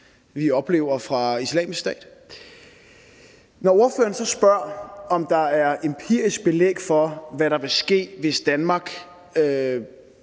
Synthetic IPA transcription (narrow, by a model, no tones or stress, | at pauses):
ʋiɒ̽b̥le̝ːʊ̰ɐfʁɑ̈islɛ̰ːmisksd̥ɛ̰ːd̥ | nɒo̝ɐfø̰ːɐn̩sɒ̽sb̥ɶɐ̰ɒ̽md̥ɑ̈æɐe̝mpʰḭɐisɡ̥̚b̥e̝lḛɡ̥fɒ̽ʋæɾɑ̈ʋe̝sɡ̥e̝̰ːʋe̝sd̥ænmɑ̈ːɡ̥ | ø